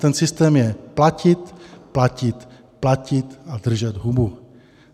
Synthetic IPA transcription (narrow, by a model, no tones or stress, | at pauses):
t̪ɛnsɪst̪ɛːmjɛplacɪt̪placɪt̪ | placɪt̪adr̩ʒɛd̪ɦubu